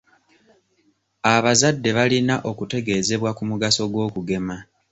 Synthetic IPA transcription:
aβazadːe̞βalinaʔo̞kute̞ɡe̞ːze̞βwakumuɡaso̞ɡwo̞ːkuɡe̞ma

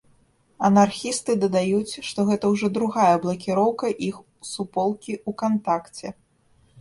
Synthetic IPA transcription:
ɐnarxʲist̪ɨd̪ɐd̪ajut͡sʲʂt̪ɔɣɛt̪ɐwʐɔd̪ɾuɣajɐblˠɐkʲiɾɔwkɐʔix | supɔlˠkʲiukant̪akt͡sʲɛ

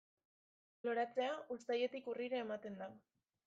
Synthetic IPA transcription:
lo̞ɾat͡se̞aʔust̪aje̞t̪ikuriɾaːmat̪e̞nd̪a

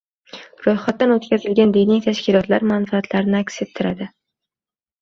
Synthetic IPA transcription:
ɾojχat̪ːanot̪kʲazɪlɡʲand̪ijnijt̪ʰaʃkʲɪlˠɒt̪laɾmanfaːt̪ʰlaɾɪnɪakʲset̪ʰːɪɾad̪ɪ

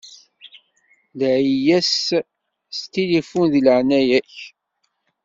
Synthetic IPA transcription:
lʕijæs | st̪ilifunðləʕnæjæç

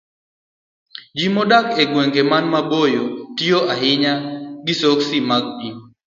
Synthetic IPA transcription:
d͡ʒimɔdakeɡweŋɡemanmabojotijoʔaɦɪɲaɡɪsoksimaɡ̚di

